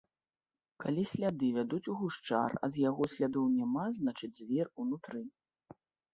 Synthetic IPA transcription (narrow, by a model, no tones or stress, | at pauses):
kalʲisʲlʲad̪ɨvʲad̪ut͡sʲuɣuʂt͡ʂa̰rɐ̰zʲjaɣɔsʲlʲad̪ɔwnʲamaznat͡ʂɨd͡zʲzʲvʲɛrunut̪ɾɨ